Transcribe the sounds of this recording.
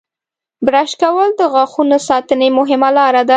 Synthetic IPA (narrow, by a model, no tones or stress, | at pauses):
bɾaʃkawəld̪əɣɑxunosɑt̪ənemʊɦɪmalɑɾad̪a